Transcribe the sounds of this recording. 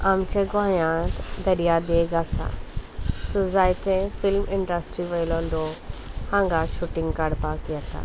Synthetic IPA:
amt͡ʃeɡãːjãːt̪d̪ɐɾijad̪eɡasa̰ | suzaːjt̪ẽfɪlmɪɳɖəsʈɾiʋɐjlõnd̪ohãːŋɡaʃuʈɪ̃ŋɡkaɽpakiət̪a̰

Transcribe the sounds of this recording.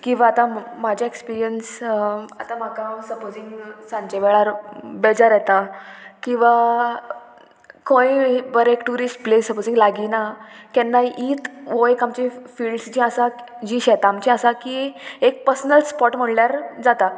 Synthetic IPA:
kĩw̃ʋaːt̪ãmad͡ʑʱjaekspiɾijənsat̪ãm̤akasəpod͡ziŋɡsãɲt͡ɕeʋɛɭaɾbɛd͡zaɾjɛt̪akĩw̃ʋa | kʰõiʋəɾekʈuɾisʈplesəpod͡zĩŋɡlaɡinakɛnːaiːt̪ʋojekamt͡ɕifiːɭɖsd͡ʑĩasad͡ʑĩɕɛt̪aːmt͡ɕĩasakiek̚pəɾsənəlspɔʈm̤əɳljaɾd͡zat̪a

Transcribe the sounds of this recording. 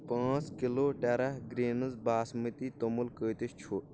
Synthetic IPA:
pãːt͡skiloːʈɐɾɐɡɾeːnɐzbaːsmit̪it̪omulkəːt̪iʃt͡ʃʰuː

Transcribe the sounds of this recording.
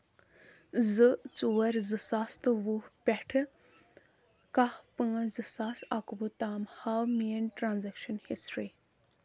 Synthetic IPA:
zɨt͡suwɐɾzɨsast̪ɨʋuhpʲɛʈʰɨ | kahpɨ̃zɨsaːsɐkubut̪aːmhawmijənʈɾaːnzɛkʃɐnhisʈɾi

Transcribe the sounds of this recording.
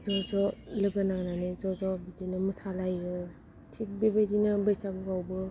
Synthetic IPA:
zɔzɔlɯɡɯnaŋnanezɔzɔbidenɯmɯsalajɾɯ | tʰik̚bebajdinɯbɯjsaɡɯɡawbɯ

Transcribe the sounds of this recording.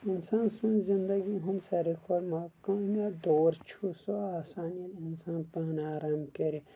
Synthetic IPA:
insãːnsunzind̪ɐɡiɦunsɐɾikʰolmakãːmjad̪oːɾt͡ʃʰusoaːsaːniɐlinsãːnpɐnaːɾɐmkeɾi

